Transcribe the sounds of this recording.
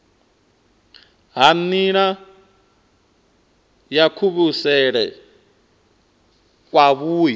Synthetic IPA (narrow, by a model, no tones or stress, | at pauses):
ɦaniɺa | jakʰuβusɛɺɛ | k̬ʼwaβuːji